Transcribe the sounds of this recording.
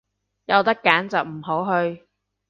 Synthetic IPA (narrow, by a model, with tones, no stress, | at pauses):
jɐ˨wt̪ɐ˥kːaː˨˥nt͡sɐ˨wm̩˨˩ɦo˨˥wɦɵ˧ɥ